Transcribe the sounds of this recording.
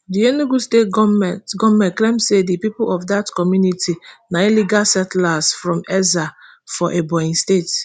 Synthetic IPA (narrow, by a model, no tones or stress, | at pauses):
dienuɡustetɡɔmɛtɡɔmɛ̃nklẽmsedipipʊɔfdatkɔmjunitʰinailiɡalsɛtlasfɹɔ̃mɛza | fɔʔebɔĩnstet